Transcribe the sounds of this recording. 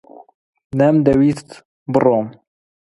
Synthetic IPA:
nɛmd̪ɛwist̪ | bɨrom

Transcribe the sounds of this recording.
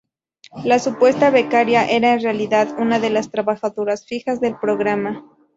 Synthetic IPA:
lasupwe̞st̪aβe̞kaɾjaʔe̞ɾaenrealiðaðunaðe̞last̪ɾaβaxaðoɾasfixazðe̞lpɾo̞ɣɾama

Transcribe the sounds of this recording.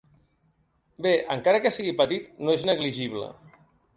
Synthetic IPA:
beʔə̰ŋkaɾəkəsiɣipət̪it̪noeznəɣliʒiβ̞lə̰

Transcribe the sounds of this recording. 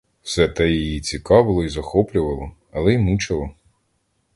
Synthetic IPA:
wsɛt̪ɛjijit͡sʲikɑʋɪlˠɔizɐxɔplʲʊʋɐlˠɔ | ɐlˠɛimut͡ʃɐlˠɔ

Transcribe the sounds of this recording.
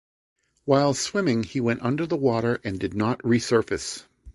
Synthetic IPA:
waɪlˠswɪ̃mɪ̃ŋiwɛ̃ntʌ̃ndə˞ðəwɔɾə˞ʔɨ̃ndɨdⁿnət̚ɹisɜ˞fɨs

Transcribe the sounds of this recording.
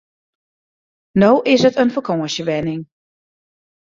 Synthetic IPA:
nowʔɪsətənfəkʰɔːəsəʋɛnɪŋ

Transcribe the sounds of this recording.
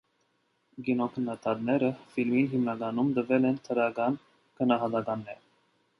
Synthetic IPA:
ɡinɔkʰənːɑt̪ʰɑt̪nɛɾəfilminɦimnɑɡɑnumd̪əvɛlɛnt̪ʰəɾɑɡɑn | ɡ̥ənɑɦɑt̪ɑɡɑnːɛɾ

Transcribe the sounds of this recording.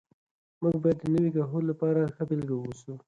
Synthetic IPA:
muɡ̚bɑjad̪ːənəwikɑɦolapɑɾaxəbɪlɡawosu

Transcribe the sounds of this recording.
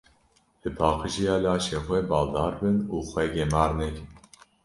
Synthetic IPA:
bɨpʰɑːqɨʒijɑːlɑːʃeːxwɛbɑːld̪ɑːɾbɨnuːxʷɛɡɛmɑːɾnɛkɪn

